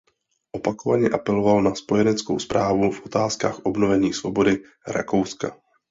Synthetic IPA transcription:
ʔo̞pakovaɲɛʔapɛlo̞valnaspo̞jɛnɛt͡sko̰wspɾʔaːvufʔo̞t̪aːskaːxʔo̞bno̞vɛɲiːsvo̞bo̞dɪ | ɾa̰ko̞wska̰

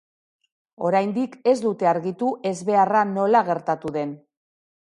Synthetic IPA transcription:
o̞ɾajnd̪ike̞zd̪ut̪e̞aɾɣit̪uʔe̞zβe̞arano̞laɣ̞e̞ɾt̪at̪uðe̞n

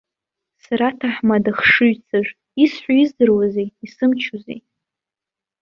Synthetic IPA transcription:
saɾatʰaħmadaχʂɨɥt͡sʰaʒʷᶣ | isħʷaizdɨrwazejisɨmt͡ʃʰozḛj

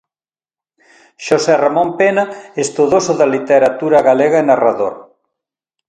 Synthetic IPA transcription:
ʃosɛramõmpenaest̪uðosoðɐlit̪eɾat̪uɾɐɣaleɣaenaraðoɾ

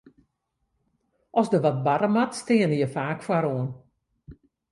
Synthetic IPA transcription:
ʔɔsdəʋɔt̚baɾəmatstɪənəjəfaːkfwaɾoən

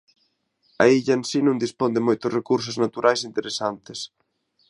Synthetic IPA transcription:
aiʎɐensinũŋd̪ispond̪emojt̪ʊrekuɾs̬ʊznat̪uɾʔajsint̪eɾesant̪ɪs

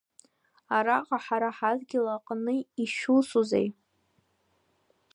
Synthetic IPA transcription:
aɾaqʼaħaɾaħazɡʲɪlaqʼnɨiʃusuzḛj

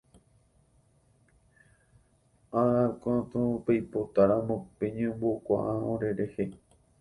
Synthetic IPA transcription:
aɾakʷãt̪ũpejpot̪aɾãmõpeɲẽmbokʷa̰ʔãõɾe̞ɾe̞he

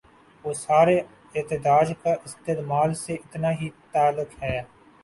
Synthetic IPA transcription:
ʋoːsaːɾe | ɪːt̪ɪd̪aːd͡ʒkaʔɪst̪eːd̪maːlseʔɪt̪naɦit̪aːlʊkɦɛː

